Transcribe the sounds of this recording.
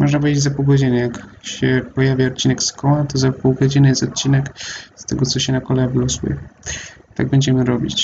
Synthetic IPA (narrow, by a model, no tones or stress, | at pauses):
mɔʐnap̬ɔvʲjed͡ʑʲeɪd͡ʑʲzapuwɡɔd͡ʑinɛjak | ɕɛpɔjavʲjaɔt̪̚t͡ɕinɛkskɔwat̪ɔzapuwɡɔd͡ʑinɘjɛst̪ɔt̪̚t͡ɕinɛkst̪ɛɡɔt̪sɔɕɛnakɔlɛvlɔsṵjɛ̰ | t̪a̰ɡ̚bɛɲd͡ʑɛmɘɾɔbʲḭt͡ɕ